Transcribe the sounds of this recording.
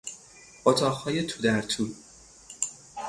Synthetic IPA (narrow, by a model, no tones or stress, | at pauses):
ʔot̪ʰɒːʁhɒːjet̪ʰuːd̪æɾt̪ʰuː